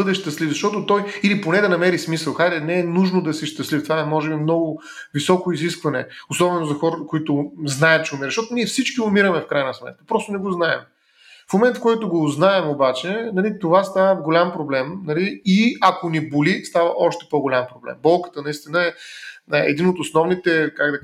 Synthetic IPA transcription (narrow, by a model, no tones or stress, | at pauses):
əd̪ɛʃt̪ɐslivzɐʃt̪ɔt̪ot̪ɔjiliponɛd̪ɐnɐmɛɾismisəlˠxad̪ɛnɛɛnuʒnod̪ɐsɛʃt̪ɐslift̪ovaɛmɔʒɛbimnɔɡʊ | visɔkʊiziskvɐnɛ̰osɔbɛnozɐxɔɾkoit̪ʊznaɛt̪̚t͡ʃɛumiɾzʃt̪ɔt̪ʊniɛfsit͡ʃkʲiʊmiɾəmɛfkɾajnɐsmɛ̰t̪̚kə̥pɾɔst̪ʊnɛɡoznaɛ̰m | fmomɛnt̪fkɔjt̪ʊɡoznaɛmobat͡ʃɛnɐlit̪ovast̪avəvɡolʲampɾoblɛmnɐliiɐkonibolist̪avəʔɔʃt̪ɛ̥poɡolʲampɾoblɛ̰mbɔlˠkə̥t̪ənɐist̪inəɛ | ɛ̰d̪inot̪osnɔvnit̪ɛkaɡd̪ɐ